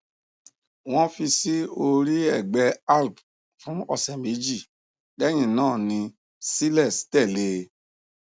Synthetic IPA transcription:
w̃ɔ̃˦fi˧si˦o˧ɾi˦ɛ˦˨ɡ͡bɛ˧a˦˨lb | fũ˨˦ɔ˦˧sɛ̃˨me˨˦d͡ʒi˦˨ | dɛ˦j̃ĩ˦˨nãː˦˨nĩ˧ | si˦lɛ˦˨stɛ˦˨le˧˦

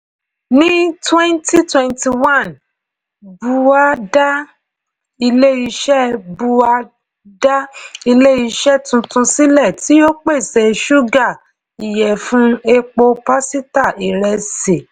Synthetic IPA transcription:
nĩ˦twɛ̃˦nti˦twɛ̃˦˧nti˧wã˦˨n | bu˧a˦da˦ | i˧le˦i˧ʃɛ˦bu˧a˦ | da˦i˧le˦i˧ʃɛ˦tũ˧tũ˧si˦lɛ˦˨ti˨˦o˦k͡pe˦˨sɛ˨ʃu˦ɡa˦˨ | i˨jɛ˨fũ˦e˧k͡po˧pa˦si˦ta˦˨i˨ɾɛ˧se˨

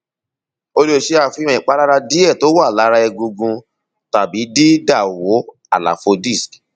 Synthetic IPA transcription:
o˧ɾi˦o˧˨ʃe˦a˦˨fĩ˧˦ɔ̃˧˨ĩ˨k͡pa˨˦ɾa˦ɾa˧di˦ɛ˦˨to˨˦wa˦˨la˨˦ɾa˧ɛ˧ɡũ˧ɡũ˧ | ta˨bi˨˦di˦da˦˨wo˨˦ | a˨la̰˨fo˧di˦˨sk

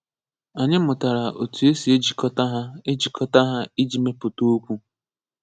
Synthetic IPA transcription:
a˨ɲɪ˦mʊ˨ta˨ɾa˨ʔo˨tu˨e˦si˨e˦d͡ʒi˨kɔ˦ta˦ɦa˦e˦d͡ʒi˨kʰɔ˦ta˦ɦa˦i˦d͡ʒi˨me˦pʊ˨to˦kʷu˦

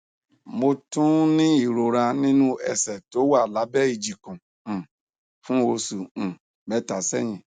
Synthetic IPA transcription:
mo˧tũ˦nĩ˦i˦˨ɾo˨ɾa˧nĩ˦nũ˦ɛ̰˨sɛ˨to˨˦wa˦˨la˨˦bɛ˦i˧˨d͡ʒi˨kũ˨ | fũ˦o˧sũ˨ | mɛ˨˦ta˨sɛ˦˨j̃ĩ˨

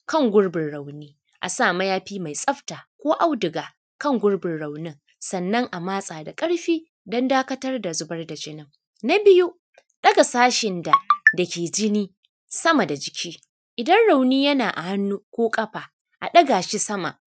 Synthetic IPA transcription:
kɐ˦˨ŋɡʷʊ˦ɽbɪ˨nɽa˨wniː˦ | ʔa̰˨saː˦˨mɐ˦jaː˦ɸiː˦ma˨jsʼɐ˦ɸtaː˨kʷoː˦ʔa˦˨wdɪ˨ɡaː˨ | kɐ˦ŋɡʷʊ˦ɽbɪ˨nɽa˨wnɪ˦ŋ | sɐ˨nːɐ˦ŋʔa˨maː˦sʼaː˨da˨kʼɐ˦ɽɸiː˦ | dɔ˦ndaː˦kɐ˦tɐ˦rda˨zʊ˦bɐ˦rda˨d͡ʒɪ˦nɪ˦ŋ | na˦bɪ˦ju˦ | ɗɐ˦ɡa˨saː˦ʃɪ˨nda˨dɐ˨kʲeː˨d͡ʒɪ˦niː˦ | sɐ˦mɐ˨da˨d͡ʒɪ˨kʲʰiː˦ | ʔɪ˨dɐ˦nɽa˨wniː˦jɐ˦naː˨ʔa˨hɐ˦nːuː˦kʷoː˦kʼɐ˦ɸaː˨ | ʔa̰˨ɗɐ˦ɡa˨ʃi˦sɐ˦ma̰˨

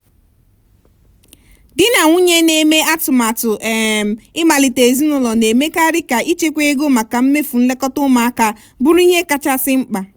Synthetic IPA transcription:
dɪ˦na˨ŋʷu˦ɲe˦ne˨me˦a˦tʊ˨ma˨tʊ˨ʔe˦m̩˨ɪ˦ma˨li˨te˨zi˦nʊ˨lɔ˨ne˨me˦ka˦ɾɪ˦ka˨ʔi˦t͡ʃe˦kʷe˦ɡo˦ma˨ka˨m̩˦me˦fu˨n̩˦le˦kɔ˦tʊ˦ma˨a˦ka˨ | bʊ˦ɾu˦i˦ɦe˦ka˦t͡ʃa˦sɪ˦ŋ͡m̩˦k͡pa˨

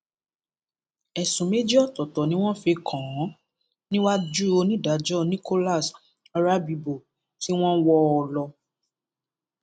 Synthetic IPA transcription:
ɛ˨sũ˨me˨˦d͡ʒi˦ɔ˦˨tɔ˨tɔ˨nĩ˦w̃ɔ̃˦fe˧kʰã˨˦ | nĩ˦wa˦d͡ʒu˦o˧nĩ˦˨da˨˦d͡ʒɔ˦˨nĩ˦ko˦la˦˨s | a˧ɾa˦bi˧bo˨ | ti˦w̃ɔ̃˦wɔ˧ɔ˨lɔ˧

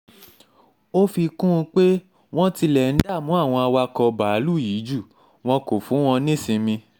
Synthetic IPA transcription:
o˦fi˧kũ˦˧k͡pe˦ | w̃ɔ̃˦ti˧lɛ˨n̩˦da˦˨mũ˨˦a˦˨w̃ɔ̃˧a˧wa˧kɔ˧ba˨˦lu˦˨jiː˨˦d͡ʒu˦˨ | w̃ɔ̃˧ko˨fũ˨˦w̃ɔ̃˧nĩ˦sĩ˧mĩ˧

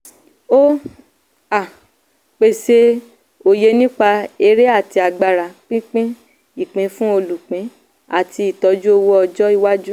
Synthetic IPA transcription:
o˦ | a˦˨ | k͡pe˨se˧ | o˨je˧nĩ˦k͡pa˧e˧ɾe˦a˦˨ti˧a˨ɡ͡ba˨ɾa˨k͡pĩ˦k͡pĩ˦ | i˦˨k͡pĩ˨˧˦fũ˦o˧lu˨k͡pĩ˨˦ | a˦˨ti˧i˨tɔ˧˦d͡ʒu˦o˧wo˦ɔ˧d͡ʒɔ˦i˧wa˦d͡ʒu˦

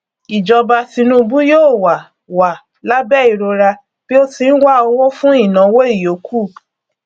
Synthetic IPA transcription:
i˨d͡ʒɔ˧ba˧tĩ˧nũ˦bũ˦joː˦˨wa˨ | wa˨ | la˦bɛ˦˨i˨ɾo˧ɾa˧ | b̥i˦o˦tĩ˧n̩˦wa˦o˧wo˦fũ˦i˦˨nã˨˦wo˦i˦˨jo˨˦kʰu˦˨

